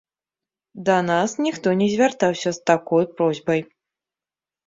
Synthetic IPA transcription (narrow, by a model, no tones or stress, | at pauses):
d̪ɐnasnʲixt̪ɔnʲɛzʲvʲart̪awsʲɐst̪akɔjpɾɔzʲbɐj